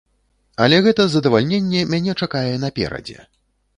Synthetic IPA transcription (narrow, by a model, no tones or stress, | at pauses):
ɐlʲɛɣɛt̪ɐzɐd̪ɐvalʲnʲenʲːɛmʲanʲɛt͡ʂakajɛnɐpʲɛ̰ɾɐ̰d͡zʲɛ̰